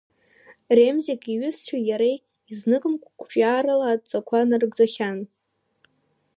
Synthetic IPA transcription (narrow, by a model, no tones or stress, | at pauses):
re̞mzikʼiɥʏst͡ɕʷᶣʰajaɾej | iznɨkʼɨmkʷʰʼkʷʰʼʈ͡ʂʼjaːɾalaːt̚ʼt͡sʼakʷʰanarɨɡd͡zaχʲan